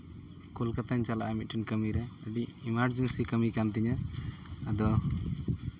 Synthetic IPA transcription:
kulkat̪aɲt͡ʃalaʔamit̪̚ˀʈʰɛnkəmiɾɛəɖiimaɾd͡ʒɛnsikəmikant̪̬iɲa | ad̪ɔ

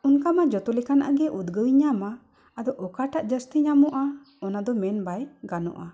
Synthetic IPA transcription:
unkamad͡ʒɔt̪ɔlɛkana̰ʔaɡɛʔud̪ɡəjɲamaː | d̪ɔʔɔkaʈaʔd͡ʒəst̪iɲamɔʔa | ɔnad̪ɔmɛnbajɡanɔ̰ʔa

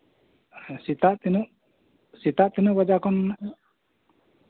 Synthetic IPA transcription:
sit̪aʔt̪inuʔ | sit̪aʔt̪inuʔbad͡ʒakɔnːaʔ

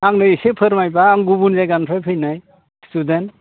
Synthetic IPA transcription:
aŋnɯisepʰɯɾmajbaːŋɡubunzajɡanpʰajpʰɯjnaj | student

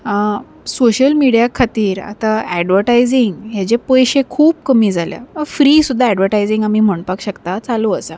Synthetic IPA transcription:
ə | soɕəlmiɽijakʰat̪iːɾa̰t̪aɛɖʋəɾʈajd͡ziŋɡɦjat͡ɕepojɕekʰuːpkəmiːd͡zʱalja̰fɾiːsud̪ʱːaɛɖʋəɾʈajd͡zĩŋɡamiːm̤əɳpakɕəkt̪at͡saloəsa

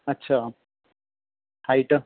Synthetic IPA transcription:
ɐtːɕʰaː | hajiʈːɨ

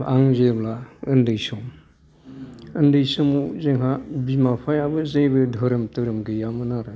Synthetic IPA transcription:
aŋzeblaɯndɯjsɔm | ɯndɯjsɯmuzeŋɦabimapʰajabɯzejbɯdʱɔɾɯmtɯɾɯmɡɯjamɯnaɾɯ

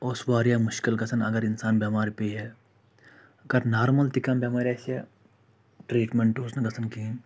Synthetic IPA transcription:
oːswaːɾjaːmʊʃkɪlkɐsʰɐnɐɡɐɾɪnsaːnbɐmaːɾpeɦɛ | ɐɡɐɾnaːɾmɐlt̪ɪkɐːmbjeːmaːɾɐsɛ | ʈɾiːʈmẽɳʈoːsnɐɡɐsɐnki

